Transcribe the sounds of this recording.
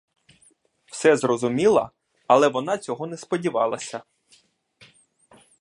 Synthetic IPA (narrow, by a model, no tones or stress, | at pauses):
w̥sɛzrɔzʊmʲilˠɐ̰ | ɐlˠɛʋɔnɑt͡sʲɔɦɔnɛspɔdʲiʋɑ̰lˠɐsʲɐ